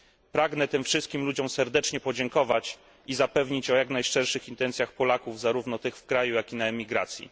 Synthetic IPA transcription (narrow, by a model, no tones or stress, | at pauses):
pɾaɡnɛt̪ɘmfʂɘst̪̚kʲimlud͡ʑɔmsɛɾd̪ɛt͡ʂɲɛpɔd͡ʑɛŋkɔvat͡ɕ | izapɛvɲit͡ɕɔjaknajʂɛɾʂɘxint̪ɛnt̪sʲjaxpɔlakuvzaɾuvnɔt̪ɘxfkɾajujakʲinaɛmʲiɡɾat̪sʲjḭ